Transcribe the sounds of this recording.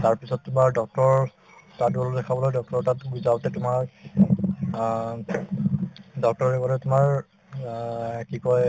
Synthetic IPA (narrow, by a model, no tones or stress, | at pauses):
taɹpisɔtːʊmaɹdɔk̚tɔɹ | tadbɔlɔdɛkʰabɔlojdɔk̚tɔɹtatɡuzawtɛtʊmaɹ | dɔk̚tɔɹɛkɔɾɛtʊmaɹ | kikɔj